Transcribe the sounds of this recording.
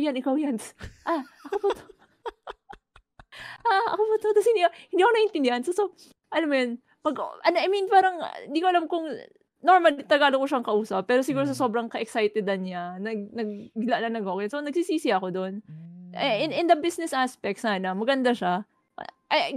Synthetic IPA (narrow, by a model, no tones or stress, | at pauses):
janʔɪkawjanʔaʔɐkopot̪o | ʔaʔɐ̰kopʊt̪ot̪ɐshɪnd̪iahɪnd̪iːɐkonɐʔɪnt̪ɪnd̪ɪhɐnsoso | ʔɐlamːʊjon | mɐɡʔɐnʔɐjminpaːɾɐŋhɪnd̪iːkoɐlamkʊŋ | no̞ɹmɐlit̪ɐɡaːlokoʃaŋkɐʔuːsɐpːɛːɾosɪɡuːɾos̬ɐso̞bɾɐŋkɐʔɛksajt̪ɛd̪ɐnɲanɐɡ̚nɐɡ̚laʔlɐnɐɡokɛjsonɐɡsiːsiːsɪɐko̞d̪o̞nʔɛɪnʔɪnd̪ɐbisnɛsʔaspɛk̚t̪sanɐmɐɡɐnd̪aʃa̰ | ʔɐj